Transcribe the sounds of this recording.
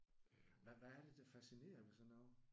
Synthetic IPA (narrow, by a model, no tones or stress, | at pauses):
ʋæʋææɐɾ̥e̝d̥æfæsine̝̰ːɐʋisɒnɑʊ